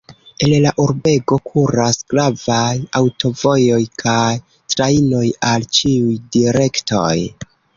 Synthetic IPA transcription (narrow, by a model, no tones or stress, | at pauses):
e̞llaʔuɾbe̞ɡokʰuɾasɡɾavajawto̞vo̞jo̞jkʰaj | tɾaino̞jalt͡ʃiujdiɾe̞kto̞̰j